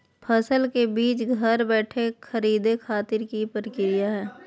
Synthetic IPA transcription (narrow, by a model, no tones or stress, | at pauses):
pʰɐsəlkebiːt͡ʃɡʱɐɾbɛːʈʰekʰəɾiːd̪ekʰaːt̪ɪɾkipɾəkɪɾɪjaɦɛː